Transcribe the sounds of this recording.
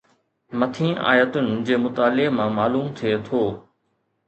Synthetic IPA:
mɐt̪ʰĩːʔa̰ːjət̪ʊnɪ̆d͡ʑeːmʊt̪aːlemãːmaːluːmt̪ʰiet̪ʰoː

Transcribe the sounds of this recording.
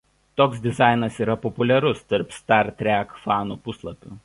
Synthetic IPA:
t̪oːksd̪ʲɪzɑˑɪnɐsiːɾɐpɔpʊlʲɛɾʊst̪ɐɾpst̪ɑɾt̪ʲɾʲækfɑːnuːpʊslˠɐpʲuː

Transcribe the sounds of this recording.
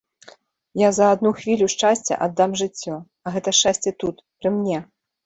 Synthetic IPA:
jazɐad̪nuxvʲilʲuʂt͡ʂasʲt͡sʲɛ̰ʔad̪ːamʐɨt͡sʲːɔ | ɐɣɛt̪ɐʂt͡ʂasʲt͡sʲɛt̪ut̪pɾɨmnʲɛ

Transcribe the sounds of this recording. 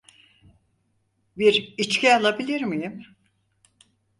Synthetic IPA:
biɾit͡ʃcʰʲɛalˠabilʲiɾmijim

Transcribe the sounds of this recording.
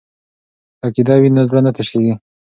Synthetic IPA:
akid̪ɑwinazɾanat̪eʃeɡi

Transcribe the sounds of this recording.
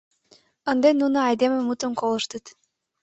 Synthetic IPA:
ɤ̆nd̪enunɤɑjd̪ememut̪ə̆nkolˠɤ̆ʃt̪ɤt̪

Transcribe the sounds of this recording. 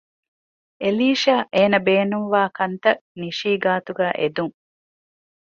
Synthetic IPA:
ʔeliːʃaːʔeːnɐbeːnuŋʋaːkɐnt̪ɐniʃiːɡaːt̪uɡæːʔed̪uŋ

